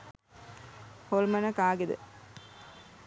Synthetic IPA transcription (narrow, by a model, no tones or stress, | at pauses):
holmɐnɐkaːɡed̪ə̰